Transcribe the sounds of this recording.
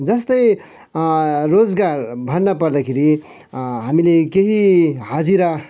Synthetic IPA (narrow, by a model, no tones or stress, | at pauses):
d͡zʌst̪ʌj | rod͡zɡarbʱʌnːʌpʌɾd̪akʰeɾi | ɦamilekeɦiɦʌd͡ziɾʌ